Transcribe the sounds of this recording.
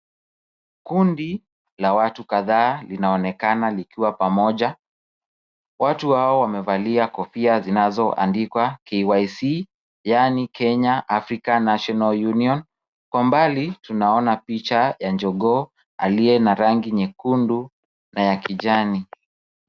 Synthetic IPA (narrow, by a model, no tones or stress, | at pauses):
kundi | lawatukaðaːlinaɔnɛkanalikiwapamɔʄa | watuhaɔwamɛvaliakɔfiazinazɔʔa̰ndikwakɛwajsi | janikʰɛɲaʔafɾikanaʃɔnaljuniɔn | kwambalitunaɔnapit͡ʃajand͡ʒɔɠɔ | a̰liɛnaɾaŋɡiɲɛkundu | najakiʄani